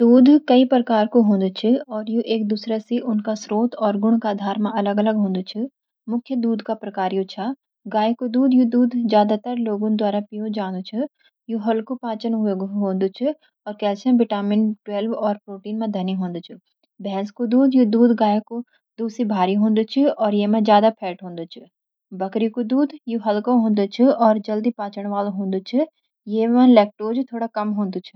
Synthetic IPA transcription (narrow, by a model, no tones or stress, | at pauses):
d̪uːd̪ʱkɐipɾɐkaːɾkoɦõːnd̪t͡ʃʰiɔːɾjũʔeːk̚d̪uːsɾasiʔʊnkasɾoːt̪ɔːɾɡʊɳkad̪ʱaːɾmãʔɐləɡɐləɡɦõːnd̪ut͡ʃʰu | mʊkʰjəd̪uːd̪ʱkapɾɐkaːɾjũt͡ʃʰa | ɡaːjkod̪uːd̪jũd̪uːd̪ʱzjaːd̪at̪əɾloːɡõd̪waːɾapijũd͡ʒãːnd̪t͡ʃʰu | jũɦɐlkopãːt͡ʃənɦeɡɦõːnd̪ut͡ʃʰu | ɔːɾkɛːt͡ʃʰə̃bɪʈaːmɪnʈweːlʋɔːɾpɾoːʈiːnmẽd̪ʱɐniɦõːnd̪ut͡ʃʰu | bɛ̃ːnskod̪uːd̪jud̪uːd̪ɡaːjeko | d̪uːsibʱaːɾiɦõːnd̪ut͡ʃʰiɔːɾjeːmãzjaːd̪apʰɛːʈɦõːnd̪ut͡ʃʰi | bɐkɾikud̪uːd̪juɦɐlkõɦõːnd̪ut͡ʃʰiɔːɾd͡ʒɐld̪ipãːt͡ʃəɳ̃ʋaːlɦõːnd̪ut͡ʃʰi | jeːmãlɛːk̚ʈoːd͡ʒt̪ʰoːɽakɐmɦõːnd̪ut͡ʃʰu̥